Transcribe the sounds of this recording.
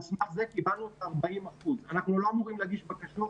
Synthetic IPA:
smaχze̞kibalnuet̪aʁbaimaχuzanaχnulo̞amuʁimleaɡiʃbakaʃo

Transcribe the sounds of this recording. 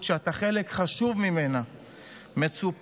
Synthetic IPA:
tʃeataχe̞le̞kχaʃuvmime̞na | me̞t͡sup

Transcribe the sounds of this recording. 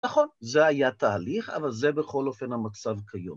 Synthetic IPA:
naχo̞nzeajat̪aːliχa̰valzebeχo̞lo̞fe̞nhamat͡savkʰajo̰m

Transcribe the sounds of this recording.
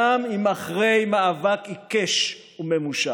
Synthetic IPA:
amimaχʁe̞jmaavakikeʃ | umemuʃa

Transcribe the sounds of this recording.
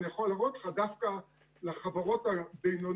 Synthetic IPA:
ijaχolːaʁotl̥χadafka | leχavaʁo̞tabejno

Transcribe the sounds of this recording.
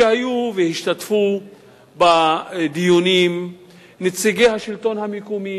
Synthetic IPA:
ehajuvehiʃt̪at̪fu | bad̪ijunim | net͡siɡejhaʃilt̪o̞nhamikumi

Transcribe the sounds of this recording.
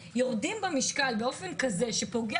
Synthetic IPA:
jo̞ʁdimbamiʃkalbeo̞fe̞nkaze̞ʃe̞po̞ɡe

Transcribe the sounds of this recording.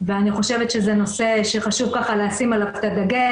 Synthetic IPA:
veaniχo̞ʃe̞vet̪ʃezeno̞se̞ʃeχaʃuvkaχaleasimalavt̪adaɡe

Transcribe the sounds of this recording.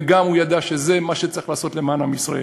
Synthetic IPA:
ɡamhujad̪aʃezemaʃet͡saʁiχlaːso̞tle̞maːnhamisʁḛ

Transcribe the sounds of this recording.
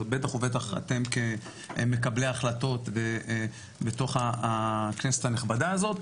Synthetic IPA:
ot̚be̞t̪aχovetaχa̰t̪e̞mke | me̞kableaχlato̞t̪ve | beto̞χakneset̪haneχbadaːzo̞t̪

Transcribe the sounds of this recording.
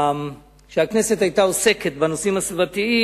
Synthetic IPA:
ʃeakne̞set̪hajt̪aose̞ket̪banosimhasvat̪ii

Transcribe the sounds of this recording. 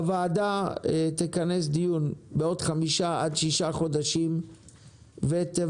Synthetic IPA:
avaːdaet̪ikanes̬d̪ijunbeo̞d̪χamiʃaadʃiʃaχo̞daʃim | vet̪e

